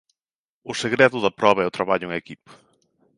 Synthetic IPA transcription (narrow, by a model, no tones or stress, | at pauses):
ʊseɣɾɛðʊðɐpɾɔβɐɛʊt̪ɾaβaʎʊŋekipɐ̥